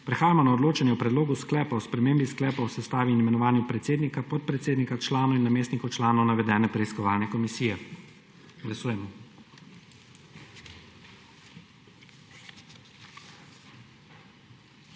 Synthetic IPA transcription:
pɾɛxaːjamɔnaɔd̪loːt͡ʃanjɛwpɾɛd̪loːɡusklɛːpawspɾɛmeːmbisklɛːpawsɛst̪aːʋinmɛnɔʋaːnjupɾɛt̪seːd̪nikapɔt̪̚pɾɛt̪seːd̪nikat͡ʃlaːnɔinːameːst̪nikɔt͡ʃlaːnɔwnaʋɛd̪ɛːnɛpɾɛiskɔʋaːlnɛkɔmisiːjɛ | ɡlasuːjɛmɔ

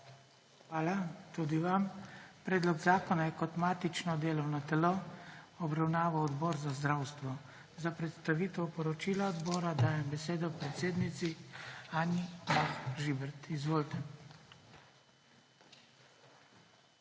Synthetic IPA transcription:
xʋaːlat̪ud̪iʋampɾɛːd̪lɔɡzaːkɔnajɛkɔt̪maːt̪it͡ʃnɔd̪eːlɔwnɔt̪ɛloɔbɾawnaːʋawɔd̪bɔːɾzazd̪ɾawst̪ʋɔ | zapɾɛt̪st̪aʋiːt̪ɛpɔɾɔt͡ʃiːlaɔd̪bɔːɾad̪aːjɛmbɛseːd̪ɔpɾɛt̪seːd̪nit̪siaːnijaxʒibɛɾt̪izʋoːlt̪ɛ

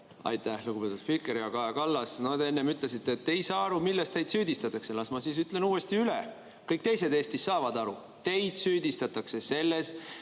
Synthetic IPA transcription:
ɑ̰jt̪ˑæhluɡ̥ubpe̞t̪ːud̪̥filkeɾiɑkɑekɑlːɑsnod̪eenːemyt̪le̞sit̪ːeːt̪ːejsɑːɑɾumilːest̪t̪e̞jd̪̥syːd̪ist̪ɑt̪ːˑɑkselɑsmɑsis̬yt̪ˑle̞nuːe̞st̪iyle | kɤjk̚t̪e̞js̬e̞d̪e̞ːst̪isːɑːvɑd̪ɑɾu | t̪e̞jd̪̥syːd̪ist̪ɑt̪ːˑɑkse̞se̞lːe̞s

